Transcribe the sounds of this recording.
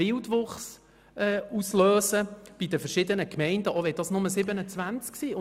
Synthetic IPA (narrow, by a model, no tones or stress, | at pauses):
ɪldʋʊχs | ɛusløːsəb̥id̪əfəɾʃɪd̪ənəkmɛɪndəʔoʋɛt̚d̥ɑːsnʊməsɪbənət͡sʋænt͡sksiːʊ